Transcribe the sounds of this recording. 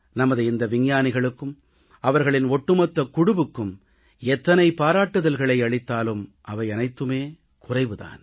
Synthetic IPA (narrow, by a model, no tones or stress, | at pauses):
nɐmɐðɯɪnd̪ɐʋɪɲjaːnɪɣɐɭɯkːɯm | ɐʋɐɾɣɐɭɪnɔʈːɯmɐt̪ːɐkːʊɽʊʋɯkːɯm | ɛt̪ːɐnɐɪpaːɾaːʈːɯðɐlɣɐɭɐɪɐɭɪt̪ːaːlɯmʔɐʋɐɪɐnɐɪt̪ːɯmeː | kʊrɐɪʋɯða̰ːn